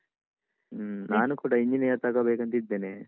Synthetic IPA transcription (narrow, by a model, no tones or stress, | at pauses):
naːnukuːɽaːiɲd͡ʒineːt̪aːkɐbeːkɐnt̪id̪ːeːneː